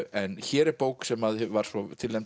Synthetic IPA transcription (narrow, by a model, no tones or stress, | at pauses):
ɛnçɛːɾɛɾpoːwksɛmaðvaɾ̥svɔt̪ʰɪlɛm